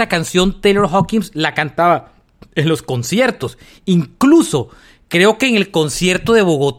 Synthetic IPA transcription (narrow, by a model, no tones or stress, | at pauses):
akansjo̞nt̪eleɾxokiŋslakant̪aβa | enlo̞sko̞nsje̞ɾt̪o̞s | iŋkluso̞ | kɾe̞o̞ke̞ːŋe̞lko̞nsje̞ɾt̪o̞ðe̞βo̞ɣo̞t̪